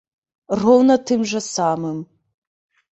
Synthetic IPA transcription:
rownɐtʰɨmʒɐsaːmɨm

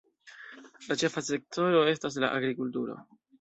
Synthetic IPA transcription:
lat͡ʃe̞fase̞k̚tʰo̞ɾo̞e̞stas̬la̰ʔaɡɾikultuɾo̞̰

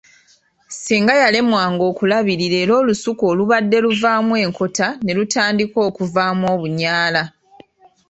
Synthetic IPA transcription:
siːŋɡajale̞mwaːŋɡo̞ːkulaβiɾiɾe̞ːɾo̞ːlusuko̞ːluβadːe̞luvaːmwe̞ːŋkʰo̞tane̞lutaːndiko̞ːkuvaːmwo̞ːβuɲaːla

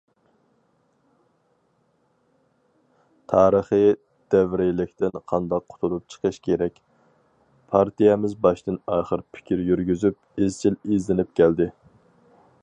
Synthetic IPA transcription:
t̪ʰɑːɾəχɨ | d̪̥ɛvɾɪlɪkʲt̪ɪnqʰɑnd̪ɑqʰːʊ̥t̪ʰulˠup̚t͡ʃʰə̥qʰəʃkʲʰeɾɛkʲ | pʰɑɾt̪ʰijɛmɪzbɑʃt̪ɨnɑːχəɾpʰɪ̥kʲʰiɾjyɾɡʲyzyp | ezt͡ʃʰilizlɪnɪp̚kʲʰɛld̪ɪ

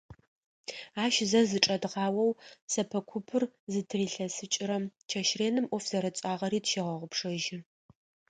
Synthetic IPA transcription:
aːʃzɐzɨʈ͡ʂʼɐdʁɑːwɐwsɐpʰɐkʷʰʊpʰɨrzɨtʰriːɬɐsɨt͡ʃʼɪɾɐmt͡ʃʰɐʃreːnɨmʔʷɔfz̥ɐɾɐt͡sʼaːʁɐɾiːtʃɪʁɐʁʷʊpʰʂɐʒɪ

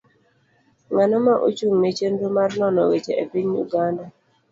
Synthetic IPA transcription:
ŋanɔmaʔo̰t͡ʃuŋmet͡ʃendomarnɔnɔɣet͡ʃḛʔepiɲjṵɡanda

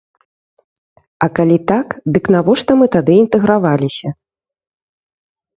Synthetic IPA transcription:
ɐkalʲit̪akd̪ɨknavɔʂt̪ɔmɨt̪ad̪ɨint̪ɨɣɾavalʲisʲɐ

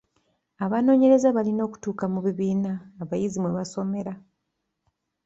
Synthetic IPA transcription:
aβano̞ːɲe̞ɾe̞zaβalino̞ːku̥tuːkamuβiβiːnaːβajizimweβaso̞me̞ɾa

